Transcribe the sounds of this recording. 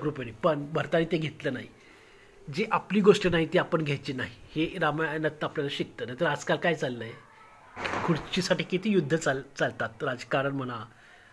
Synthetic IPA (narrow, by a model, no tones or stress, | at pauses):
kɾupenipəɳbʱəɾt̪aniːt̪eɡʱet̪lənaɦi | d͡ʑeʔapliːɡoʂʈinaɦit̪iapəɳɡʱajt͡ɕiːnaɦiheɾamnət̪nəapljalaɕik̚t̪ənaɦit̪əɾad͡zkalkajt͡salːəje | kʰuɽt͡ɕisaʈiːkit̪iːjud̪ʱːət͡salt͡salt̪at̪ɾad͡zkaɾəɳm̤əna